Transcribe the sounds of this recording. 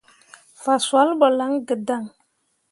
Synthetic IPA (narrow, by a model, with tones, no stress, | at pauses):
fa˨swa˨˦lbɔ˨la˨˦ŋɡə˨da˦˨ŋ